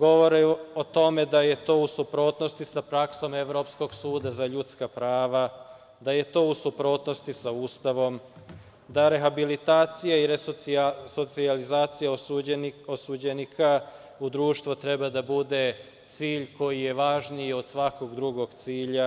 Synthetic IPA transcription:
ɡo̞ʋo̞ɾeot̪o̞me̞d̪aje̞t̪o̞ːusupɾo̞ːt̪no̞st̪isapɾakso̞me̞ʋɾo̞psko̞ɡsuːd̪azaʎut̪skapɾaːʋa | d̪aje̞t̪o̞ːusupɾo̞ːt̪no̞st̪isauːst̪aʋo̞m | d̪aɾe̞xabilit̪aːt̪sijaiɾeso̞t̪sializaːt̪sija | osud͡ʑe̞nikʰa | ud̪ɾuːʃt̪ʋot̪ɾe̞bad̪abud̪e̞ | t̪siːʎko̞jije̞ʋaʒnio̞d̪̥sʋako̞ɡd̪ɾuɡo̞ɡt̪siːʎa

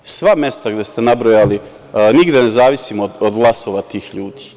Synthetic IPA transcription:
sʋamje̞st̪aɡd̪e̞st̪e̞nabɾojali | niɡd̪e̞ne̞zaːʋisimod̪od̪ɡlˠaso̞ʋat̪iːxʎuːd̪i̥

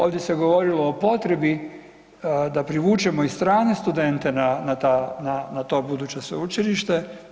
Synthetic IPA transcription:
o̞ːʋd̪jese̞ɡo̞ʋo̞ɾilo̞ːpo̞t̪ɾe̞bi | d̪apɾiʋuːt͡ʃemo̞ist̪ɾaːne̞st̪ud̪e̞nt̪e̞nanat̪ananat̪o̞ːbud̪uːt͡ɕesʋeut͡ʃiliʃt̪e̞

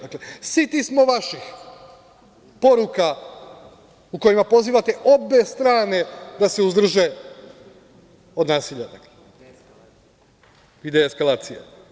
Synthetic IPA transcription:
d̪aklesit̪ismo̞ʋaʃix | po̞ɾuka | ukojimapo̞ziːʋat̪eʔo̞be̞st̪ɾaːne̞d̪aseuzd̪r̩ʒe̞ | o̞d̪naːsiʎad̪akle | ʋid̪eeskalˠaːt̪sije

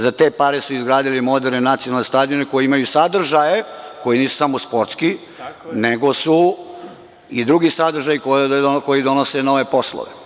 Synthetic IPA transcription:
zat̪e̞paɾesuizɡɾaːd̪ilimo̞d̪eɾnenat̪sionalnest̪aːd̪ioneko̞jiimajusad̪r̩ʒajeko̞jiniːsu̥samospo̞ɾt̪ski | neɡo̞su | id̪ɾuɡisad̪ɾ̩ʒajikokojid̪onoseno̞ʋe̞po̞slˠo̰ʋḛ

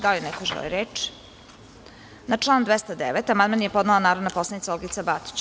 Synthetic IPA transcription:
d̪aʎenɛkoʒḛlḭɾeːt͡ʃi̥ | nat͡ʂlˠaːnd̪ʋest̪ad̪eʋet̪amad̪manjepo̞d̪nalonaːɾod̪napo̞slanit̪saolɡit̪sabat̪i̥t͡ɕ

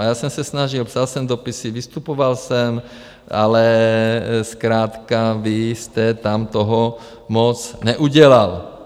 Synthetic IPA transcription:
jasɔmsasnaʒilpsalsɛmd̪ɔpisiʋist̪upɔʋalsɛm | alɛ | skɾaːt̪kaʋist̪ɛt̪amt̪ɔɦɔ | mɔt͡sɲɛʔuɟɛlal

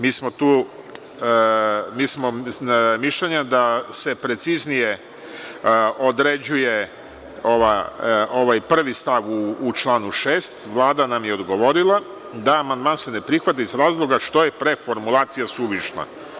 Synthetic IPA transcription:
miːsmo̞t̪uː | miːsmo̞miʃʎeɲad̪ase̞pɾe̞t̪siznije | o̞d̪ɾe̞d͡ʑuje̞ | o̞ʋao̞ʋajpr̩ʋist̪aʋuːt͡ʃlˠaːnuʃeːst̪ʋlˠaːd̪anamje̞o̞d̪ɡo̞ʋo̞ɾilˠa | d̪aːmand̪maːnse̞ne̞pɾixʋat̪̬aizɾaːzlˠo̞ɡaʃt̪o̞je̞pɾe̞fo̞ɾmulˠaːt̪sijasuʋiʃna̰

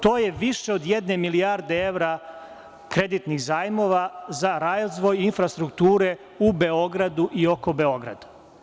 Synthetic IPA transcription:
t̪o̞ːjeʋiʃe̞o̞d̪jed̪ne̞miliaɾd̪ee̞ʋɾa | kɾe̞d̪it̪niɣzaːjmo̞ʋazaɾaːzʋo̞jinfɾast̪ɾukt̪uːɾe̞ | ube̞o̞ɡɾad̪uʔio̞ko̞be̞o̞ɡɾa̰d̪a

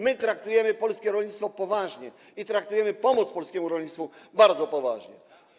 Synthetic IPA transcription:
mɘt̪ɾak̚t̪ujɛmɘpɔlskʲɛɾɔlɲit̪st̪fɔpɔvaʐɲɛ | it̪ɾak̚t̪ujɛmɘpɔmɔt̪spɔlskʲɛmuɾɔlɲit̪t̪fubaɾd̪zɔpɔvaʐɲɛ̰

